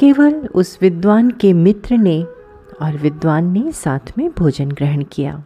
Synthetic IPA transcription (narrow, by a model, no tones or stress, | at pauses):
keːʋəlʊsʋɪd̪ʋaːnkemɪt̪ɾəne | ɔːɾʋɪd̪ʋaːnːesaːt̪ʰmẽbʱoːd͡ʒənɡɾəɦəɽ̃kija̰ː